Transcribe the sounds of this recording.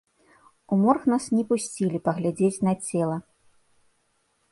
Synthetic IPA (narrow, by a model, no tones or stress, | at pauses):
umɔrxnasnʲɛpusʲt͡sʲilʲipɐɣlʲad͡zʲet͡sʲnɐt͡sʲɛlˠɐ